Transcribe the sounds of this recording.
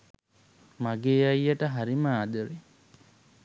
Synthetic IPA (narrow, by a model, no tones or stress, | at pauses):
maɡeːajːəʈəɦaɾimaːd̪əɾi